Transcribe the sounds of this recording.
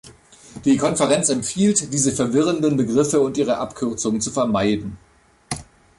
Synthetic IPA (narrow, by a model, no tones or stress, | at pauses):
d̥iːkʰɔnfəʁ̞ɛnt͡sɛmpfiːltd̥iːzəfɛɐvɪʁ̞əndənbəɡʁɪfəʊntʔiːʁ̞əʔapkʰʏɐt͡sʊŋənt͡sufɛɐmaɪdn̩